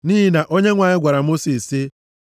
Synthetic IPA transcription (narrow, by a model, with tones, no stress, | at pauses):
niː˦ɦi˦na˨ʔo˦ɲe˦ŋʷa˨ɲɪ˦ɡʷa˨ɾa˨mo˦si˨sɪ˦